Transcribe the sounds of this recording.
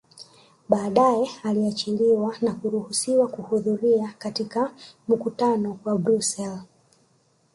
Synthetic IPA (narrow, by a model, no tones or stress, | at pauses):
ɓaːɗajɛaliat͡ʃiliwanakuɾuhusiwakuhuðuɾiakatikam̩kutanɔwabɾusɛl